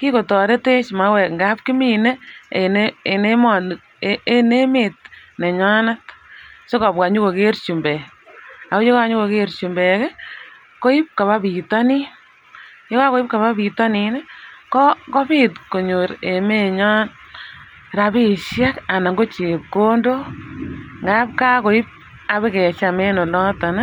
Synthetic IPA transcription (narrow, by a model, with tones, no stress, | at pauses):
ki˦ko˨tɔ˨ɾe˦te˦t͡ʃma˨˦wɛ˨kŋɡa˦p̚ki˦mi˨ne˦ene˨ne˦mɔ˨ | e˦ne˦me˨t̚ne˨ɲɔ˦na˦tso˦kɔ˨pwa˨ɲu˦ko˨ke˦rt͡ʃu˨mbɛ˨a˨ko˦t͡ʃo˦ka˨ɲu˦ko˨ke˦ɾt͡ʃu˨mbɛkɛ˦ | ko˦i˦p̚ka˨βa˦pi˨tɔ˦ni˦ | jo˦ka˦ko˦i˦p̚ka˨βa˦bi˨tɔ˦ni˨nɛ˦kɔ˦kɔ˦bi˦tko˨ɲo˨ɾe˨me˦ɲɔ˦n | ɾa˨bi˦ʃja˦ka˨na˨ŋɡo˦t͡ʃe˨p̚ko˦ndo˦ | ŋɡa˦p̚ka˦ko˨i˦p̚ | a˨βe˦kɛ˨t͡ʃa˨me˦no˨lɔ˦ta˨na˦